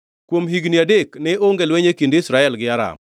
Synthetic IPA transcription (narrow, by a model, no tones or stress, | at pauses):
kwomɦiɡniadeknɪoŋɡelweɲekindeisɾaɛlɡɪaɾa̰m